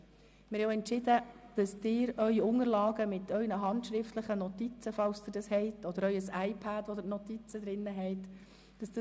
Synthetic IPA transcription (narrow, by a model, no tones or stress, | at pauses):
mɪɾɛwɛntʃɪd̪əd̥ɑsd̥̪ɪːɾœʏiʊŋəɾlɑːɡəmɪt̪ʰœʏnəɦɑntʃɾɪft̪ləχənɔt̪it͡səfɑwst̪ɪdɑshɛɪtɔd̪əɾœʏəsɑɪpʰædɔd̥̪əɾnɔt̪it͡səd̪ɾɪnːəɦɛɪt | d̥ɑsd̥ə